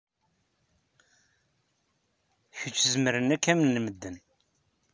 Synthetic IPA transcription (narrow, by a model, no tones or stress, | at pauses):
çət͡ʃːzməɾənækːæmənːməd̪ːən